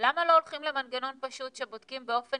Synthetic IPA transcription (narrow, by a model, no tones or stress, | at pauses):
lamalo̞ːlχimle̞manɡano̞npaʃut̪ʃe̞bod̥̪̚kimbeo̞fe